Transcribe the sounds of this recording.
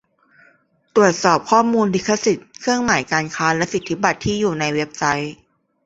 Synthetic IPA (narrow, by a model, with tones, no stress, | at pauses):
t̪ɾu˨˩ət̪̚sɔː˨˩p̚kʰɔː˥˩muː˧nli˦˥kʰːa˧˥si˨˩t̪̚kʰɯ˥˩əŋmaː˩˦jkaː˧nkʰaː˦˥lɛ˦˥si˨˩t̪ʰːi˦˥ba˨˩t̪ʰːiː˥˩juː˨˩na˧jwe˦˥p̚sa˦˥j